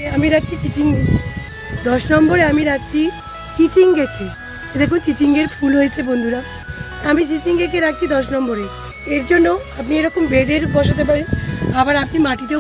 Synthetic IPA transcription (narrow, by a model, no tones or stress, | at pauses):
amiɾak̚t͡ɕʰit͡ʃit͡ʃiŋ | d̪ɔʃnɔmboɾeamiɾak̚t͡ɕʰi | t͡ʃit͡ʃiŋɡekʰe | d̪ekʰunt͡ʃit͡ʃiŋɡeɾpʰulɦojet͡ɕʰebond̪ʱuɾa | amit͡ʃit͡ʃiŋɡ̪ekʰeɾak̚t͡ɕʰid̪ɔʃnɔmboɾe | eɾd͡ʒonːoapnieɾɔkombeɖeɾbɔʃat̪̬ep̬aɾeabaɾapnimaʈit̪e